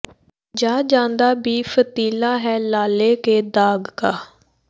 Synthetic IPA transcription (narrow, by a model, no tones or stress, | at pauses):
d͡ʒaːd͡ʒãːnd̪aːbiːfʰət̪iːlaːɦɛːlaːleːkeːd̪aːɡkaː